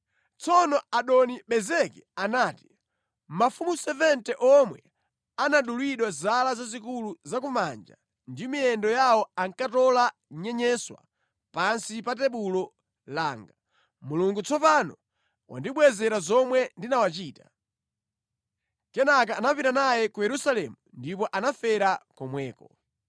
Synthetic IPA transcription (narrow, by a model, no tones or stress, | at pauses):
t͡sɔnɔaɗɔniɓɛzɛkɛanaːti̥ | mmafumusɛvɛntɛʔɔmwɛ̰ | anaɗulwiɗwazalazazikuluzak̬umand͡ʒa̰ | ndimiɛndɔjawɔaŋkatɔla | ɲɛɲɛswa̰ | pansipat̬ɛɓulɔ | laːŋɡa | muluŋɡut͡sʰɔpanɔ | wa̰ndiɓwɛzɛɾazɔmwɛndinawat͡ʃiːtḁ̰ | kɛnak̬aːnapiɾanajɛkujɛɾusalɛmundipɔʔanafɛɾakɔmwɛːkɔ